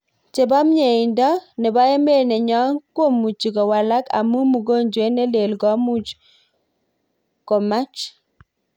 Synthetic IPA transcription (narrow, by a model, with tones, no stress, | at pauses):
t͡ʃe˨bɔ˦mɲe˨i˨ndɔ˦nɛ˨ba˦e˦me˦˨nɛ˨ɲɔ˦ŋkwo˦˨mu˨t͡ʃi˨kɔ˨wa˨la˦ka̰˨mu˦mu˨ɡo˦nd͡ʒwe˨˦ne˦le˨lɡɔ˨˦mu˦t͡ʃ | ko˨ma˦t͡ʃ